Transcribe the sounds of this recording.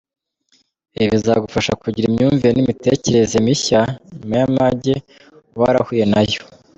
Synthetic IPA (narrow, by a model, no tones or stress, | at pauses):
eβizaɡufaʃakuɟiɾimɲuːɱviɾenimite̞ce̞ɾe̞zemiçamajamaɟe̞ | waɾahuːje̞najo